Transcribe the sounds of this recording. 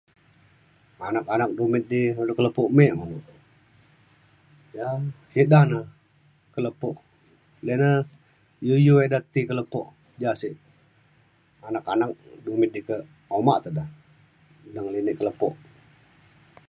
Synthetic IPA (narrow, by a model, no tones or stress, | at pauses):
anakanak̚dumɪt̪̚dilkələpɔʔmeʔmaluʔ | jasiʔdahna | kələpɔʔ | lənə | jujuedat̪ikələpɔʔ | d͡ʒasiʔ | anakanak̚dumɪt̪̚dikə | omaʔt̪ədah | dəŋlinɪʔkələpɔʔ